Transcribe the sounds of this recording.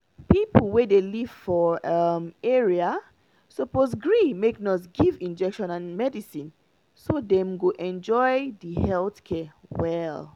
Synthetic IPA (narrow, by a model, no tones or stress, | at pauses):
pipl̩ˠwɛdeliv̥fɔʌmɛɹia | səposɡɹimeknɔs̬ɡivĩnd͡ʒɛkʃɔ̃nãnmɛdisĩn | sodɛ̃mɡoʔɛ̃nd͡ʒɔɪdəhɛlˠθkʰɛwɛl